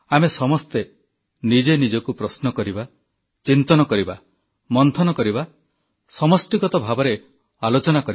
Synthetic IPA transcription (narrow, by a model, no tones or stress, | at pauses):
amesɔmɔst̪e | nid͡ʒenid͡ʒɔkupɾɔsnɔkɔɾiba | t͡ʃint̪ɔnɔkɔɾiba | mɔnt̪ʰɔnɔkɔɾiba | sɔmɔsʈiɡɔt̪ɔbʱabɔɾe | alot͡ʃɔnakɔɾi